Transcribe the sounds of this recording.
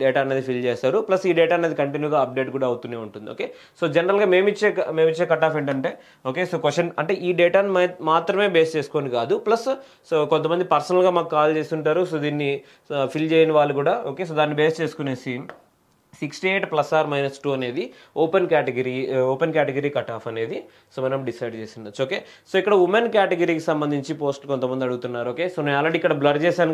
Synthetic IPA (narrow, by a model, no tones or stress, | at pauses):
ɖeːʈaːɐned̪ipʰilt͡ʃeːsaːɾuplɐsiːɖɛːʈaːɐneːd̪ikɐɳʈinjuːɡaːɐp̚ɖe̞ːʈkuːɽaːɐwut̪uneːuɳʈund̪ioːkeː | so̞ːd͡ʒɛnɐɾɐlɡaːme̞ːmit͡ʃːeːkmeːmit͡ʃːeːkɐʈːaːpeɳʈɐɳʈe̞ː | o̞ːkeːsoːkʋɐɐnɐ̰ɳʈe̞ːʔiːɖɛːʈaːnimaːt̪ɾɐme̞ːbeːst͡ʃeːsu̥ko̞ːnikaːd̪uplɐs | kont̪ɐmɐnd̪ipɐɾsɐnɐlɡaːmaːkukaːlt͡ʃe̞ːst̪uɳʈaːɾusoːd̪iːnːi | pʰilt͡ʃeːjinɐʋaːɭːukuːɽaːoːkeːs̬oːd̪aːnːibeːst͡ʃe̞ːsu̥kuneːsi | siksʈieːʈplɐsaːɾmɐjnɐsʈuːɐne̞ːd̪i | oːpenkaːʈeɡɐɾiːoːpenk̬aːʈeɡɐɾiːkɐʈaːpʰɐne̞ːd̪i | soːmɐnɐmɖisɐjɖ̚t͡ʃeːsind̪ɐt͡ʃoːkeː | so̞ːikːɐɽɐumenkjaːʈeɡɐɾiːkisɐmbɐnd̪ʱiɲt͡ʃipo̞ːsʈlkont̪ɐmɐnd̪iɐɽuɡut̪unːaːɾuoːke̞ːsoːneaːlɾɐɽiːkːɐɽɐblɐɖt͡ʃɛːsaːn